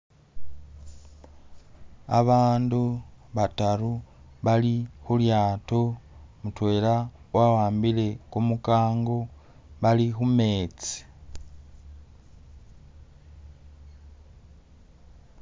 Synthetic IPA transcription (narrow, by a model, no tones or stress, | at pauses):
a̰βaːnduβataɾu | βalixuljaːtomutwe̞ːla | wawaːmbile̞kumukaːŋɡo | βalixume̞ːt͡si̥